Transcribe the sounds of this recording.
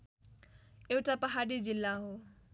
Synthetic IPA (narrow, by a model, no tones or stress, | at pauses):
ewʈapʌɦaɽid͡zilːaɦo